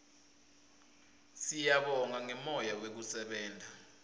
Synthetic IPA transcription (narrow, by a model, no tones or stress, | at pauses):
sijaɓɔŋaŋɛmɔjawek̬usɛɓɛːndʱa